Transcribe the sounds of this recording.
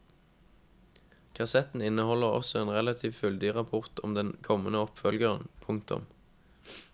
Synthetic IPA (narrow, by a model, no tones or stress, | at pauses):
kʰɑsɛt̪n̩ɪnəhɔləʁɔ̰sɔeːnʁɛlɑt̪ʰiːʋfʏld̪ɪʁɑpʰʊʁt̪ʰɔmd̪ɛnkʰɔmənəɔpfœlɡəʁənpʰʊŋkt̪ʰʊ̰m